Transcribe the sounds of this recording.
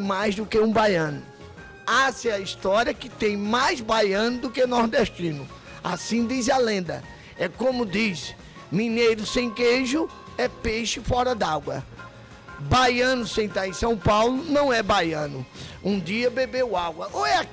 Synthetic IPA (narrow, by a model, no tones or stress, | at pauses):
majzd̪ʊkeũbajɐ̃nʊ | asɪɐist̪ɔɾiɐkɪt̪ẽj̃majzbajɐ̃nʊd̪ʊkenɔɾd̪ɛʃt̪ĩnʊ | asĩd̪izalẽnd̪ɐ̰ | ɛkõmʊd̪is | mĩnejɾʊsẽj̃keʒʊ | ɛpejʃɪfɔɾɐd̪aɡwɐ | bajɐ̃nʊsẽnt̪aɾẽj̃sɐ̃w̃pawlʊnɐ̃w̃ɛbajɐ̃nʊũd̪iɐbebewaɡwɐʔoɛak